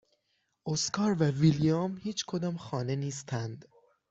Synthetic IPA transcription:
ʔoskʰɒːɾvævilijɑmhiːt͡ʃʰkʰod̪ɒːmxɒːne̞niːst̪ʰænd̪̥

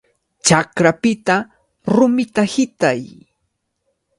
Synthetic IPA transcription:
t͡ʃakɾapɪt̪a | ɾʊmɪt̪ahɪt̪aj

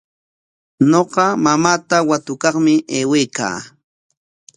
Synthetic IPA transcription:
noqɑmamaːt̪awat̪ʊkɑχmɪʔeːwejka̰ː

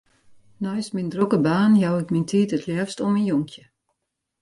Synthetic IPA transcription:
nɔjsmindrokəbaːnjawɪkmintʰiːtətʰljɛfstɔminjɔŋkʰjə

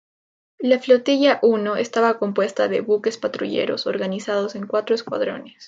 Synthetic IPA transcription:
laflo̞t̪iʝaʔuno̞est̪aβako̞mpwest̪aðeβuke̞spat̪ɾuʝe̞̰ɾo̞̰so̞ɾɣanisað̞o̞se̞ŋkwat̪ɾo̞eskwa̰ð̞ɾo̞̰nes

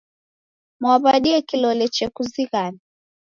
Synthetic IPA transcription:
mwaβaɗiɛkilɔlɛt͡ʃɛkuziɣani

